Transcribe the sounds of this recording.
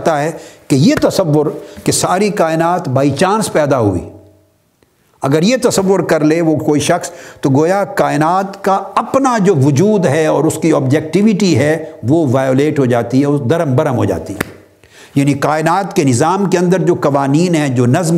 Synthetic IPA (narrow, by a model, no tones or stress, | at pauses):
t̪aɦɛːkejet̪ɐsɐʋːʊɾkesaːɾikaːɪnaːt̪baːit͡ʃãːnspɛːd̪aɦuḭː | ɐɡəɾjet̪ɐsɐʋːʊɾkɐɾleʋokoːiʃɐxst̪oɡoːjakaːɪnaːt̪kaɐpnad͡ʒoːʋʊd͡ʒuːd̪ɦɛɔːɾʊskiɔːbd͡ʒɛk̚ʈɪʋɪʈiɦɛʋoʋaːjoːleːʈɦod͡ʒaːt̪iɦɛɔːd̪ɐɾəmbɐɾəmɦo̰ːd͡ʒa̰ːt̪iɦɛ̰ | jaːnikaːɪnaːt̪kenɪzaːmkeɐ̃nd̪əɾd͡ʒoːkɐʋaːniːnɦɛd͡ʒoːnɐzm